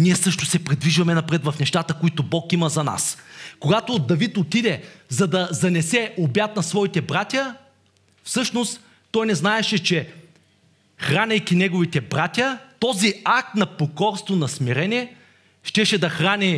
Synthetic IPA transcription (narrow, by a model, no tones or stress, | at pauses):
niɛsɤʃt̪ʊsɛpɾid̪viʒvɐmɛnɐpɾɛt̪vɐfnɛʃt̪at̪əkoit̪obɔkimɐzɐna̰skoɡat̪od̪ɐvit̪ot̪id̪ɛzɐd̪ɐzɐnɛsɛʔobjat̪nɐsvɔit̪ɛbɾat̪ʲjə | fsɤʃnost̪ː | ɔjnɛznaɛʃɛt͡ʃɛ | xɾanʲɐjkʲinɛɡʊvit̪ɛbɾat̪ʲjət̪ɔziak̚t̪nɐpokɔɾst̪vonɐsmiɾɛnʲiɛ | ʃt̪ɛʃɛd̪ɐxɾanʲɛ